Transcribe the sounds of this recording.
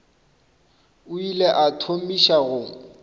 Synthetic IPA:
ʊileʔatʰom̩iʃaɣʊŋ̩

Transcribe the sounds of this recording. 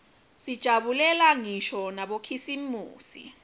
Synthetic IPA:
sid̥ʒ̥ʱaɓulɛlaŋiʃɔnaɓokʰisimuːsḭ

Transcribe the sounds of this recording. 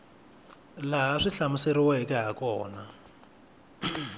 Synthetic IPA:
laɦaʂiɬamʊseɾiwaɦekɛɦakɔːna

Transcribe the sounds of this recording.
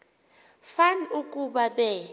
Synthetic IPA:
fanukʼuɓaɓɛ

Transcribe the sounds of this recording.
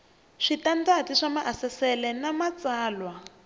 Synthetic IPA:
ʂitand͡zatiʂamaʔasɛsɛlɛnamat͡saːlwa

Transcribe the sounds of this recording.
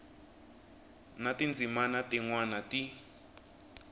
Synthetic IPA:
natind͡zimanatiŋwanati

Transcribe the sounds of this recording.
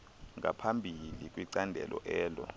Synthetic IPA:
ŋapʰambʱilik̬ʼwiǀandʱɛ̰lʔɔʔɛːlɔ̰

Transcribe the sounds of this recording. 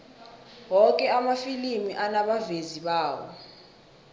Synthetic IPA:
wɔk̬ʼɛamafilimiʔanaɓaveziɓaːwɔ̰

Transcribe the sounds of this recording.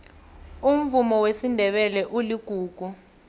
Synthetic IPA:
um̩vumɔwesindʱɛɓɛlɛʔuliɡ̥ʱuːɡ̥ʱu

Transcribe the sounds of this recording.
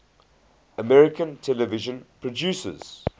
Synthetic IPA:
əmɛɹɪkə̃ntʰɛləvɪʒə̃npʰɹɔd͡ʒjuːsə̰z̥

